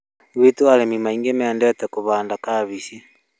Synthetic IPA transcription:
wetualɛmimaiŋɡemɛːndɛtɛkoβaːndakaβisja

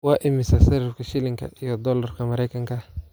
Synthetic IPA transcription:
wɑːʔɪmɪsɐsɐɾɐfkʰɐʃɪlɪŋkʰɐ̰ijɔd̪ɔːlɐrkʰɐmɐɾɛjkʰɐŋkʰɐ

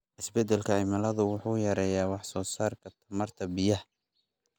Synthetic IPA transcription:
ʔɪsbɛd̪ɛlkʰɐʕɪmɐlɐðʊwʊħuːjɐɾɛːjaːwɑħsɔːsaːrkʰɐt̪ʰɐmɐrt̪ʰɐbɪjɐh

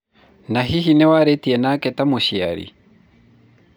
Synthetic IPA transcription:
naɦiɦinɛwaɾetiɛnakɛtamoɕia̰ɾḭ

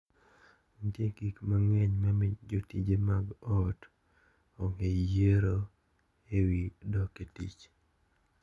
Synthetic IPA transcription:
ntjeɡikmaŋwɛɲmamɪd͡ʒotid͡ʒemaɡɔt | ɔŋejeɾo | ewidɔketḭt͡ʃ

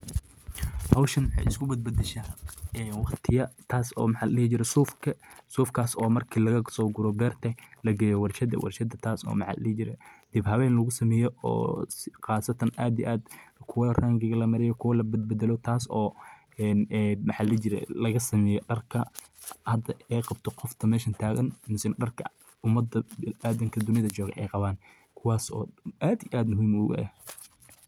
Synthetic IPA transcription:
hɐwʃɐnwʊħɑ̰jɪ̰skʰʊbɐd̪̚bɐd̪ɛʃaːɛːnwɑqt̪ʰɪjɐt̪ʰaːsɔ̰ːmɑħɑllɛːt͡ʃɪɾɛsuːfkʰɐsuːfkʰaːsɔːmɐrkʰiːlɐɣɐsɔːɡʊɾɔbɛːrt̪ʰɐlɐɡɛjɛwɑrʃɐd̪ɐ̰wʔɑ̰rʃɐd̪ɐt̪ʰaːsɔ̰ːmɑʕɑ̰llɛːht͡ʃɪɾɛ̰d̪̥ibhɐβɛːnlɐɣʊsɐmɛːjɔɔ̰ːsɪqɑːsɐt̪ʰɐnʔaːd̪iʔaːd̪kʰʊwɐraːŋɡɪɣɐlɐmɐɾɛjɔkʰʊwɐlɐbɐd̪̚bɐd̪ɛlɔt̪ʰaːsɔː | ɛnːmɑħɑlɛt͡ʃɪɾɛ̰lɐɣɐsɐmɛːjɔɖɐrkʰɐ | hɐd̪ɐɛqɑbt̪ʰɔqɔft̪ʰɐmɛːʃɐnt̪ʰaːɣɐnmɪsɪnɖɐrkʰɐ | ʊmːɐd̪ɐaːd̪ɐŋkʰɐd̪ʊnɪðɐt͡ʃɔːɣɛ̰ʔɛjqɑβaːn | kʰʊwɑːsɔ̰ːʔaːd̪iʔaːd̪mʊɦiːmʊɣ̰ɛ̰

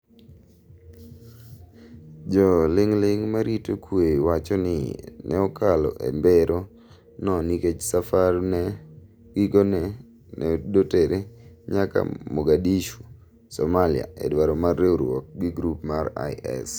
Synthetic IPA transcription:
d͡ʒɔlɪŋlɪŋmaɾitokwewat͡ʃɔnɪ̰nɛɔkalɔ̰ʔḛmbeɾʔo | nɔniket͡ʃsafarnɛ | ɡɪɡonɛ | nɛdoteɾeɲaka̰moɡadiʃu | sɔmalia̰ḛdwaɾɔmarːeuɾwɔ̰k̚ɡiɡɾupmara̰ɪɛ̰s

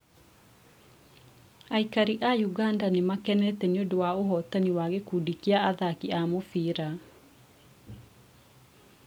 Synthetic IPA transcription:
aikaɾiʔajuɣandanemakɛnɛtɛneodowaoɦɔtaniwaɣekuːdikiaːðakiamofiːɾa

